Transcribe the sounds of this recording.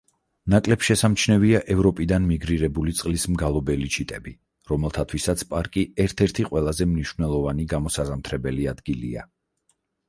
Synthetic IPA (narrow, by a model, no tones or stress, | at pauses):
nakʼlɛpsʃɛsamt͡ʃʰnɛviaʔɛvɾɔpʼid̪anmiɡɾiɾɛbulit̪sʼqʼlismɡalˠɔbɛlit͡ʃʰit̪ʼɛbi | ɾɔmɛlˠt̪ʰat̪ʰwisat̪sʰpʼaɾkʼiɛɾt̪ʰɛɾt̪ʰiqʼwɛlˠazɛmniʃvnɛlˠɔvaniɡamɔsaʁamt̪ʰɾɛbɛliad̪̥ɡilḭa̰